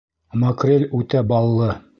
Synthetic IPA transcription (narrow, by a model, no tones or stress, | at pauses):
mokrʲelʲʉt̪æbɑlˠːɤ